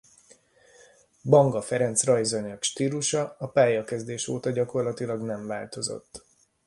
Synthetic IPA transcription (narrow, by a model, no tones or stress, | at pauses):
bɒŋɡɒfɛɾɛnt̪srɒjzoɲøkʃt̪iːluʃɒɒpaːjɒkɛzd̪eːʃoːt̪ɒɟɒko̞rlɒt̪ilɒɡnɛɱvaːlt̪o̞zo̰t̪ː